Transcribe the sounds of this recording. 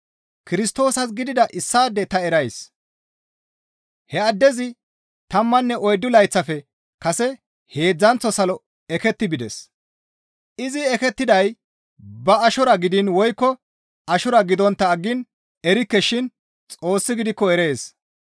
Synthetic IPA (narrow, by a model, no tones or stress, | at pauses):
kɪɾɪst̪o̞ːsɐsɡɪd̪ɪd̪ɐʔɪsːaːd̪ːɛt̪ɐɛɾɐjs | hɛɐd̪ːɛzɪ | t̪ɐmːɐnːɛʔɔjd̪ːʊlɐjt͡sːɐfɛ | kɐsɛ | he̞ːd͡zːɐnt͡sːɔsɐlɔ | ɛkɛt̪ːɪbɪd̪ɛs | ɪzɪɛkɛt̪ːɪd̪ɐj | bɐɐʃɔɾɐɡɪd̪ɪnwɔjkːɔ | ɐʃɔɾɐɡɪd̪ɔnt̪ːɐːɡːɪn | ɛɾɪkːɛʃɪn | t͡sʼo̞ːsːɪɡɪd̪ɪkːɔɛɾe̞ːs